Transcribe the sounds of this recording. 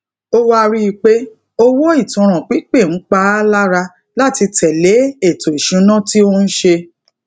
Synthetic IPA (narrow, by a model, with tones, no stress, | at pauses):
o˦wa˦˧ɾi˦i˧k͡pe˦ | o˦wɔ˦i˦˨tũ˧ɾ̃ã˨k͡pi˨˦k͡pe˦˨ñ̩˨˦k͡pa˧˦la˦ɾa˧ | la˦ti˧tʰɛ˨le˨˦e˦˨to˨i˨ʃũ˨˦nã˦ti˦o˦n̩˦ʃe˧